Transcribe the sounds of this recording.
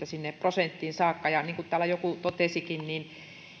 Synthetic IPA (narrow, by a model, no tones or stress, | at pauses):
t̪æsinːepprosent̪ːiːnsɑːkːɑjɑniːŋkut̪æːlæjokut̪ot̪esikinnin